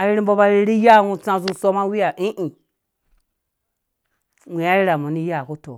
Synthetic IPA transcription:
a˨ɾi˦ɾi˦bo˦ba˨ɾi˨ɾi˦ja˦˨ŋu˨t͡sã˨zu˦so˦ma˦wi˦ja˨ʔi˦ʔi˨ | ŋʷi˨ja˦i˦ɾa˨mu˨ni˦ja˦˨ku˦to̰˨

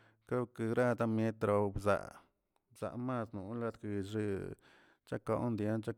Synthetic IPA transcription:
ka˦kɨ˨ɡɾa˦˧t̪a˧mje˦t̪ɾo˨˧bza̰˨ʔ | bza̰˨ʔma˦snu˨˦la˧t̪ki˨ʐi˧ | t͡ʃa˦ko˦ʔnd̪ja˦nt͡ʃa˦

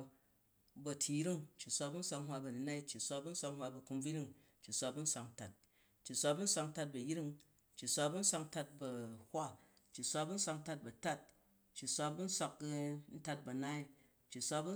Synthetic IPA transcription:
bɐ˧tʰʲi˧˦ɾi˦ŋt͡ʃːi˨sʷa˧bu˦n̩˦sʷa˧kŋhwa˧bɐ˨ni˨˦na˦i˦t͡ʃːi˨sʷa˧bu˦n̩˦sʷa˧khwa˧bɐ˨ku˧mb͡vi˦ɾi˦ŋ | t͡ʃːi˨sʷa˧bu˦n̩˦sʷa˧kn̩˦ta˨t̚ | t͡ʃːi˨sʷa˧bu˦n̩˦sʷa˧kn̩˦ta˧t̚bɐ˨ji˦ɾi˦ŋ | t͡ʃːi˨sʷa˧bu˦n̩˦sʷa˧kn̩˦ta˧t̚bɐ˨hʷa˦ | t͡ʃːi˨sʷa˧bu˦n̩˦sʷa˧kn̩˦ta˧t̚bɐ˨ta˦t̚ | t͡ʃːi˨sʷa˧bu˦n̩˦sʷa˧kn̩˦ta˧t̚bɐ˨na˦i˦ | t͡ʃːi˨sʷa˧bu˦

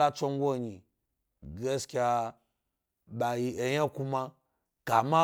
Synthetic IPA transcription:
a˦t͡sʷo˦ŋ˦ɡʷo˦˨ɲi˨ | ɡe˦skʲa˧ | ɓa˨ji˨e˨jã˦ku˦ma˧ | ka˨ma˦

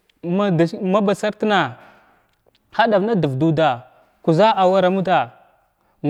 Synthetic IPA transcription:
ma˦dma˦ba˨sa˦ɾtna˨ | ha˦da˨vna˦du˨vdu˦da˨ | ku˨za˦ʔa˨wa˦ɾa˨mu˦ta˨

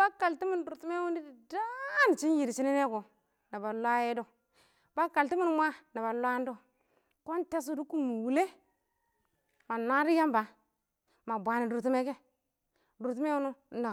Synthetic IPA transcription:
ba˦ka˨lti˦mi˦n˦du˨ɾtu˦me˦wu˦ndi˦di˨da˦ni˨t͡ʃi˦nji˨ɾi˨t͡ʃi˦ni˦ne˦ko˨ | na˨ba˨lʷa˦je˦do˦ | ba˦ka˨lti˦mi˦n˦mʷ˦a˦na˨ba˨lʷa˦n˦do˦ | ko˦nte˦s̬u˦du˦ku˦mu˨wu˨le˦ | ma˨na˦ɾi˦ja˦mba˨ | ma˨bʷa˨ni˨du˨ɾti˦me˦ke˦ | du˨t̬u˦me˦wu˦nu˦n̩˦da˨

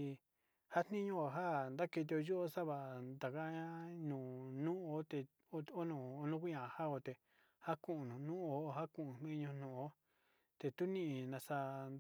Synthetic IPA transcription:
ha˦n̥nĩ˦ɲũ˦˧o˨˧ɦa˦˨nd̪a˦ke˧t̪̬i˧o˧jo˦o˦sa˦βa˧˨d̪a˨ka˦ã˦nũː˨nũ˦o˧˦t̪e˧ | o˦o˦nũ˧˨o˧nũ˦ku˦ɲã˨ha˦o˧t̪e˨ | ha˦kũ˦˨ʔũ˧nũ˨nũ˦o˧˦˧ɦa˦kũ˨ũ˨m̥ĩ˦˧ɲũ˧nũ˨o˦ | t̪e˧t̪u˦nĩ˦˨ĩ˧˨nã˧sa˧n

